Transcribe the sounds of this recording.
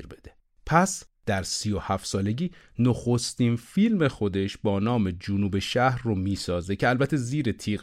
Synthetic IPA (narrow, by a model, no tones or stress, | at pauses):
ɾbed̪̥e | pʰæsd̪̥æɾsiːjohæft̪sɒːle̞ɟiː | noxo̞st̪infilme̞xo̞d̪e̞ʃbɒːnɒːme̞d͡ʒonuːbe̞ʃæhɾromiːsɒːzecʰeælbæt̪ʰːeziːɾet̪ʰiː